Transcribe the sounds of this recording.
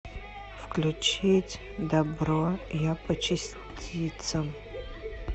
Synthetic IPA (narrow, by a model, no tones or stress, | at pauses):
fklʲut͡ʃʰetʲ | dabrojapʰɐt͡ʃʰɪs | tʲʰit͡sʰɐm